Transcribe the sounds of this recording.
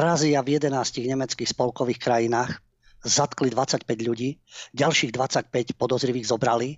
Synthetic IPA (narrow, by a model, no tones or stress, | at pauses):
ɾaːziavjɛd̪ɛnaːsciɣɲɛmɛt͡skiːxspɔlkɔʋiːxkɾajinaːx | zat̪klid̪ʋat͡sacpɛɟʎuɟiːɟalʃiːɣd̪ʋat͡sac̚pɛcpɔd̪ɔzɾiʋiːɣzɔbɾali